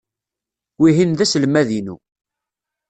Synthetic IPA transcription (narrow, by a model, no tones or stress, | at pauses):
wiɦinðæslmæðinṵ